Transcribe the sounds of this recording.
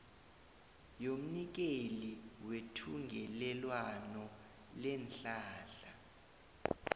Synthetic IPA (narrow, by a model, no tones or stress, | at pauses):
jom̩nik̬eliwetʰuŋɡʱɛlɛlwanɔ | lɛnɬaːɬa